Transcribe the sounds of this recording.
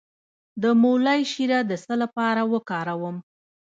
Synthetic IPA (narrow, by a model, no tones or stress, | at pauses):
d̪əmolajʃiɾad̪əsəlapɑɾawəkɑɾawəm